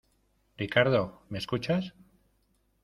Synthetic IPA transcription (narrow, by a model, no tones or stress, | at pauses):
rikaɾðo̞me̞skut͡ʃas